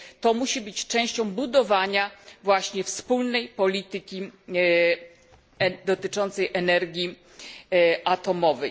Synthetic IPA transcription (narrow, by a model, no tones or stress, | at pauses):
t̪ɔmuɕibɘt͡ɕt͡ʂɛ̃w̃ɕt͡ɕɔ̃w̃bud̪ɔvaɲavwaɕɲɛfspulnɛjpɔlʲit̪ɘkʲi | d̪ɔt̪ɘt͡ʂɔnt̪sɛjʔɛnɛɾɡʲi | at̪ɔmɔvɛj